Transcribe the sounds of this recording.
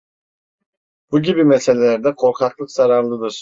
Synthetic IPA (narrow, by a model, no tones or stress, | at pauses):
b̥uɟibimɛse̞lʲelʲæɾd̪ɛkʰo̞ɾkʰaklˠɯkz̥aɾaɾlˠɯd̪ɯɾ̥